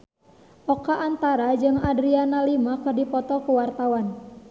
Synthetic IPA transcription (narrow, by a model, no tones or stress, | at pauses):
ʔɔkaʔant̪aɾad͡ʒɨŋadɾianalimakərdipɔt̪ɔkuwart̪awan